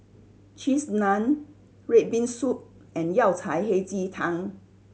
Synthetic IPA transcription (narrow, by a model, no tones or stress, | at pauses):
t͡ʃʰisnãn | ɹet̚bĩnsup̚ | ɛ̃njawtʰajɦejt͡sit̪ʰãŋ